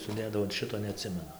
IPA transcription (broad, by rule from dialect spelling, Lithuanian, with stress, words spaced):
sʊˈdʲeːdɐʋoː ɐn ˈʃʲɪtoː nʲɛˈɑːtʲsʲɪmʲɛnʊ